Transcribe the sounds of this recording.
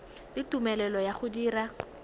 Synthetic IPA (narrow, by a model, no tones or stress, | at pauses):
lɪtumɛlɛlɔjaχʊdiːra